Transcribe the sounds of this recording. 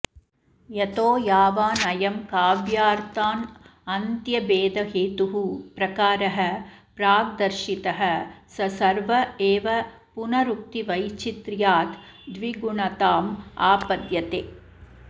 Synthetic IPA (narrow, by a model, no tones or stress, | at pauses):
jɐt̪oːjaːʋaːnɐjɐmkaːʋjaːɾt̪aːnɐnt̪jɐbeːd̪ɐɦeːt̪uɦupɾɐkaːɾɐɦɐ̆pɾaːɡ̚d̪ɐɾʃit̪ɐɦɐsɐsɐɾʋɐeːʋɐ | punɐɾuk̚t̪iʋɐjt͡ʃit̪ɾjaːt̪ | d̪ʋiɡuɳɐt̪aːmaːpɐd̪jɐt̪eː